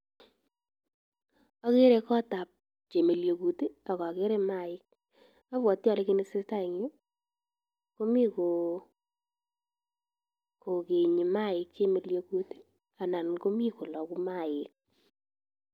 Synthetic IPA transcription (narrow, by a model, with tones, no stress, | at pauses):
a˨ke˦ɾe˨˧kɔ˦ta˨p̚ | t͡ʃe˨me˨ljo˨ku˨ti˦a˨kɔ˨ke˦ɾe˦ma˦ɪ˦k̚ | a˦βwɔ˨tːja˨le˦kɪ˦nɪ˦sɪ˦sta˦ɪ˨ŋjo˦ | ko˦mi˦ko˨ | ko˨ke˨ɲi˨ma˦ɪ˨kt͡ʃe˦me˨ljo˨ku˨ti̥˦ | a˨na˨nko˦mi˦ko˨lɔ˨ku˦ma˦ɪ˨k̚